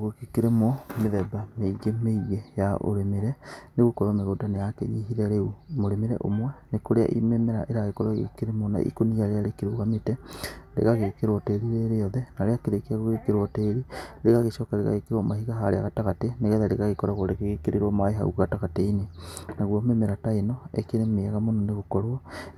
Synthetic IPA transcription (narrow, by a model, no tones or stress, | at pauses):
ɣokekeɾemɔmeðɛbameiɣemeiɣejaʔo̰ɾemeɾɛneɣokɔɾwɔmeɣodanejakḛɲiɦiɾɛɾeumoɾemeɾɛ̰ʔo̰mwɛnekoɾea̰ʔimemɛɾaʔeɾaɣekɔɾwaɣḛkeɾemɔna̰ʔḭkonijaɾeaɾekeɾoɣametɛɾḛɣaɣekeɾwɔteɾiɾeɾeɔðɛnaɾeakeɾekeaɣoɣekeɾwɔteːɾiɾeɣaɣeʃɔkaɾeɣa̰ɣekeɾwɔmaɦiɣaɦaɾḛa̰ɣataɣateneɣɛðɛɾeɣaɣekɔɾaɣoɾeɣeɣekeɾeɾwɔmaeɦa̰ṵɣataɣateinenaɣwɔmemeɾataenɔḛkeɾemeaɣamonɔneɣokɔɾoɔ